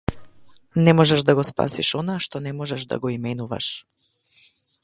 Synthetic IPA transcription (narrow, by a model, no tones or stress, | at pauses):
nɛmɔʒɛʒd̪aɡɔspa̰siʃɔnaʃt̪ɔnɛmɔʒɛʒd̪a̰ɡɔimɛnuva̰ʃ